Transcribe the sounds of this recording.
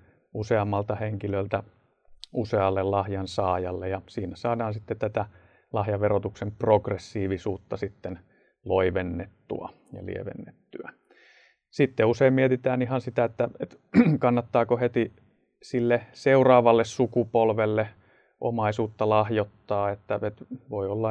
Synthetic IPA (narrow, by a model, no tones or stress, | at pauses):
useɑmːɑlt̪ɑheŋkilølt̪æ | useɑlːellɑhjɑnsɑːjɑlːejɑsiːnæsɑːdɑːnsit̪ːett̪æt̪æ | lɑhjɑʋerot̪uksemproɡresːiːʋisuːt̪ːɑsit̪ːen | loiʋenːet̪ːṵɑ̰ | jɑ̰lḭḛʋḛnːet̪ːyæ | sit̪ːeuseimmiet̪it̪æːniɦɑnsit̪æet̪ːæet̪ | kɑnːɑt̪ːɑːkohet̪i | silːeseurɑːʋɑlːessukupolʋelːe | ʔo̰mɑisuːt̪ːɑlɑhjot̪ːɑːet̪ːæet̪ʋoiolːɑ